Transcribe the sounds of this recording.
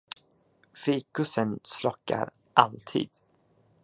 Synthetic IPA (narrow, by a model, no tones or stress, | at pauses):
fiːkɵsənslɔkːa̰ɾ | ʔalt̪ʰḭːd̪̥